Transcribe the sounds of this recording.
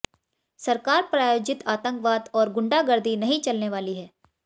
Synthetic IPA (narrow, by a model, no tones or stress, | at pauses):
sɐɾkaːɾpɾaːjoːd͡ʒɪt̪aːt̪ə̃ŋkʋaːd̪ɔːɾɡʊ̃ɳɖaɡɐɾd̪ʱinɐɦĩt͡ʃɐlneʋaːliɦɛː